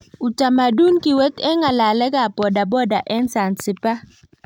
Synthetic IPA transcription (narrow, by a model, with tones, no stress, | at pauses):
u˨ta˨ma˨du˦nki˨we˦tɛ˦ŋa˨la˨lɛ˦ɡa˨pɔ˨da˨bɔ˦da˨ʔɛ˦nsa˨nsɪ˨pa˦